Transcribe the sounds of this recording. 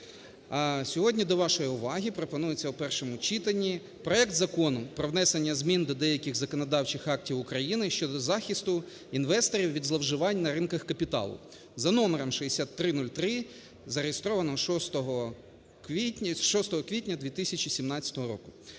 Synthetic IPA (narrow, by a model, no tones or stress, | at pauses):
sʲɔɦɔdʲnʲid̪ɔʋɑʃɔjiʊʋɑɦʲipɾɔpɔnujet͡sʲːɐwpɛrʃɔmʊt͡ʃit̪ɐnʲːi | pɾɔɛk̚t̪zɐkɔnʊpɾɔʋnɛsenʲːɐzʲmʲind̪ɔd̪ɛjɐkʲɪɣzɐkɔnɐd̪ɑwt͡ʃɪxɑk̚tʲiwʊkɾɐjinɪʃt͡ʃɔd̪ɔzɑxʲist̪ʊ | inʋɛst̪ɔɾʲiwʋʲid̪zlˠɐwʒɪʋɑnʲnɐɾɪnkɐxkɐpʲit̪ɑ̰lˠʊ̰ | zɐnɔmeɾɐmʃiesʲat̪ːɾɪnulʲt̪ɾɪ | zɐɾejest̪ɾɔʋɐnɔɦɔʃɔst̪ɔɦɔ | kʋʲitʲʃɔst̪ɔɦɔkʋʲit̚ʲnʲɐd̪ʲʋʲit̪ɪsʲɐt͡ʃʲisʲimnɑt͡sʲɐ̥t̪ɔɦɔɾɔ̰kʊ̥